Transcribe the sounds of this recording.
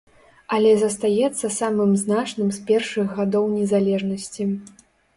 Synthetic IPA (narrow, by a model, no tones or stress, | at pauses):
ɐlʲɛzɐst̪ajɛt̪sːɐsamɨmznat͡ʂnɨmspʲɛrʂɨɣːad̪ɔwnʲɛzalʲɛʐnɐsʲt͡sʲi